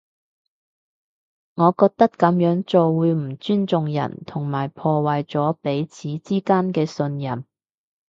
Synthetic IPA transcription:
ŋɔː˨˧kɔː˧k̚t̪ɐ˥kkːɐ˨˥mjœː˨˥ŋt͡so˨wwuː˨˧jm̩˨˩t͡ʃyː˥nt͡sʊ˨ŋjɐ̰˨˩nt̪ʰʊ˨˩ŋmaː˨˩jpʰɔː˧wa˨jt͡sɔː˨˥pe˨˥jt͡sʰiː˨˥t͡siː˥kaː˥nkɛː˧sɵ˧njɐ˨m

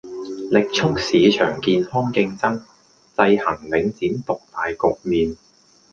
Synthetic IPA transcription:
lɪ˨k̚t͡sʰʊ˥k̚siː˨˧t͡ʃʰœ̰ː˨˩ŋkiː˨nhɔː˥ŋkɪ˧ŋt͡sɐ˥ŋ | t͡sɐ˧jhɐ˨˩ŋlɪ˨˥ŋt͡siː˨˥mt̪ʊ˨k̚t̪aː˨jkʊ˨k̚miː˨n

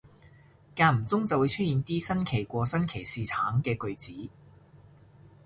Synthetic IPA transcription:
kaː˧m̩˨˩t͡sʊ˥ŋt͡sɐ˨wu˨˧jt͡ʃʰɵ˥t̚jiː˨˧nt̪iː˥sɐ˥nkʰe˨˩jkʷɔː˧sɐ˥nkʰe˨˩jsiː˨˩t͡sʰaː˨˥ŋkɛː˧kɵ˨˧ɥt͡siː˨˥

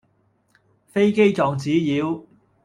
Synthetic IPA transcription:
fe˥jke˥jt͡sɔː˨ŋt͡siː˨˥jiː˨˧w

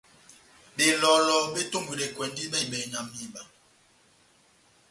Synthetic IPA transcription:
ɓe˨lɔ˨˦lɔ˨ɓe˦to˦˨mɡwi˨le˨kwɛ˨ndi˦ɓɛ˦ɓɛ˨ɲa˨mi˦˨ɓa˨

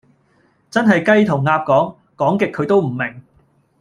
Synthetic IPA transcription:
t͡sɐ˥nɦɐ˨jkɐ˥jt̪ʰʊ˨˩ŋːaː˧p̚kɔː˨˥ŋ | kɔː˨˥ŋkɪ˨kʰːɵ˨˧ɥt̪o˥wm̩˨˩mɪ˨˩ŋ

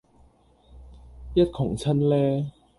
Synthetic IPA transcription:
jɐ˥t̚kʰʊ˨˩ŋt͡sʰɐ˥nlɛː˥

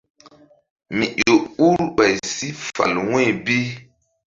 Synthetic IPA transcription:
mi˨ʔo˨u˦ɾɓa˨jsi˦fa̰˨lwẽ˦˨bi˦

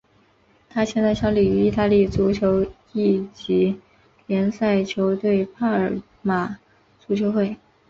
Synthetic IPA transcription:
t̪ʰa˥t͡ɕʰjɛ˥nt͡sɕjɑ˧˥ʊli˨˩y˧˥i˥˧t̪a˥˧li˥˩t͡su˧˥t͡ɕʰjo˧˥ʊ | i˥˩t͡ɕi˧˥ | ljɛ˧˥nsa˥˩ɪt͡ɕʰjo˧˥ʊt̪we˥˩ɪpʰa˥ə˞˨˩ | ma˨˩ | t͡su˧˥t͡ɕʰjo˧˥ʊxwe˥˩ɪ

